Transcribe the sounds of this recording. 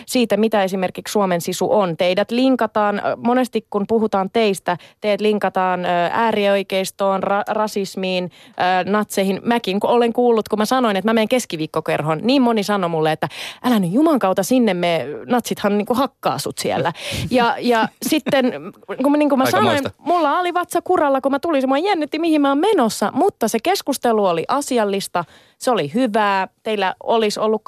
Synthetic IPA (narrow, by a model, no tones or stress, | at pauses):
siːt̪æmit̪æesimerkikssuomensisṵʔont̪eidæt̪liŋkɑt̪ɑːnmonest̪ikkunpuɦut̪ɑːnt̪eist̪æt̪eiæt̪liŋkɑt̪ɑːnːæːrioikeist̪oːnrɑrɑsismiːnːnɑt̪sehinmækiŋkuoleŋkuːlːut̪kumæsɑnoinet̪mæmeːŋkeskiʋiːkːokerɦonniːmmonisɑnomulːeet̪ːæʔælænyjjumɑŋkɑut̪ɑsinːemːenɑt̪sit̪hɑnniːŋkuhɑkːɑ̰ːsṵt̪siæ̰lːæjɑjɑsit̪ːenkuniːŋkumæsɑnoinmulːɑoliʋɑt̪sɑkurɑlːɑkumæt̪ulinsemːoejænːyt̪ːimihimmæommenosːɑmut̪ːɑsekeskust̪eluoliʔɑsiɑlːist̪ɑ | seolihyʋæːt̪eilːæolisolːuk